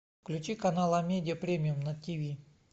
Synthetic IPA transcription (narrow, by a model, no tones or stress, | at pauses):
klʲʉt͡ɕikɐnalˠɐmʲedʲɪəpɾʲemʲɪjumnətʲivʲi